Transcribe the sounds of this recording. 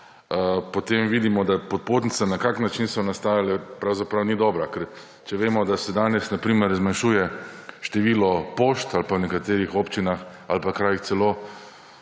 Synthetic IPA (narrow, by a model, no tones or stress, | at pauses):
əpot̪eːmʋiːd̪imɔd̪apot̪̚poːt̪nit̪sanakaknat͡ʃinsɔnast̪aːjalɛpɾawzapɾawnid̪ɔːbɾakɛɾ | t͡ʃɛʋeːmɔd̪asɛd̪aːnɛsnapɾiːməɾzmanʃuːjɛʃt̪ɛʋiːlɔpoːʃt̪alpawnɛkat̪eːɾixoːpt͡ʃinax | alpakɾaːjixt̪sɛloː